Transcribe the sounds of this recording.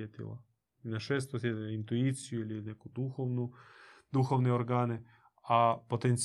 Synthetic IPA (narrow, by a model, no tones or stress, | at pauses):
et̪ḭla̰ | inaʃeːst̪osjet̪lint̪uit̪sijuilinekud̪uxoʋnud̪uxoʋneoɾɡaːne | apot̪ent̪s